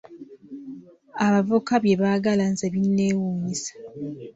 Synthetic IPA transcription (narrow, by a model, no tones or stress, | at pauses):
aβavokaβje̞βaɡalanzeβinnːe̞ːwuːɲisḁ